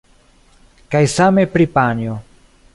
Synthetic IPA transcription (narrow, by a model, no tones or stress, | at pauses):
kajsame̞pɾipanjo